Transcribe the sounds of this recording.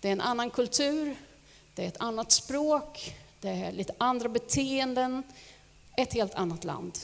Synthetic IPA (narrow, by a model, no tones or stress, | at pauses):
d̪̥ɛæɾɛnʔanːankʰɵlt̪ʰʉ̟ːɾ | d̪̥ɛæɾɛt̪ʰanːat̪spɾoːkd̪̥ɛæɭiːt̪ə̥ʔand̪ɾabɛt̪ʰeːɛnd̪ən | ɛt̪heːlt̪ʰanːat̪la̰nd̪